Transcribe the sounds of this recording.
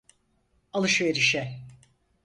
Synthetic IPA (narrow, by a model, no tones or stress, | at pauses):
alˠɯʃveɾiʃɛ